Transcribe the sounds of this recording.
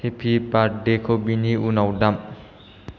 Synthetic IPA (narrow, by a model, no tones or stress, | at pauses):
hepʰipaɖekʰobiniunawdam